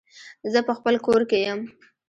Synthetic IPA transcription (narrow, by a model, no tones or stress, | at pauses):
zəpəxpəlkoɾkejəm